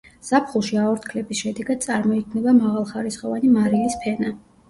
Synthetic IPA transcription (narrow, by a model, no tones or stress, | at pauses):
z̥apʰχulˠʃiaɔɾt̪ʰkʰlɛbisʃɛd̪ɛɡad̪̚sʼaɾmɔikʰmnɛbamaʁalˠχaɾisχʼɔvanimaɾilispʰɛna